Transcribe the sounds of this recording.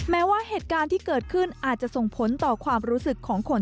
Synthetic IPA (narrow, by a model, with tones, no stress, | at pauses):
mɛː˦˥waː˥˩heː˨˩t̪̚kaː˧nt̪ʰiː˥˩kɤː˨˩t̪̚kʰɯ˥˩nʔaː˨˩t̪̚t͡ɕa˨˩ʔso˨˩ŋpʰo˩˦nt̪ɔː˨˩kʰwaː˧mɾuː˦˥sɯ˨˩kʰːɔː˩˦ŋkʰo˧n